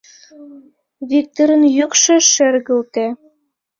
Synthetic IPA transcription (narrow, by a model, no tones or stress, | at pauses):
βik̚t̪oɾə̆njykʃĕʃerɣə̆lt̪e